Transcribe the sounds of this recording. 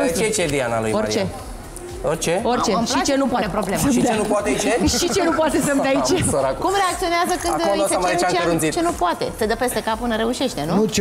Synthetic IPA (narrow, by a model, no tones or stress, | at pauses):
et͡ʃed̪ianalṵjort͡ʃe | oɾt͡ʃeorʲt͡ʃeʃit͡ʃe̞nupoat̪epɾo̞ble̞menupwat̪et͡ʃeʃit͡ʃe̞nupoat̪e̞səmd̪ait͡ʃsoɾakkumɾeak̚t̪sio̞neazəkɨnoosemait͡ʃaŋɾunsitt͡ʃenupoat̪e̞̰səd̪əpe̞st̪e̞kapɨnəɾe̞uʃe̞ʃt̪e̞nuut͡ʃ